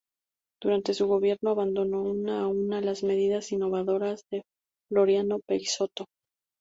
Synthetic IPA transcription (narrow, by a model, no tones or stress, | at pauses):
d̪̥uɾant̪e̞suɣo̞βje̞ɾno̞aβand̪o̞no̞unaunalazme̞ðiðasinːo̞βaðo̞ɾazðe̞ | ɡlo̞ɾjano̞peiso̞t̪o̞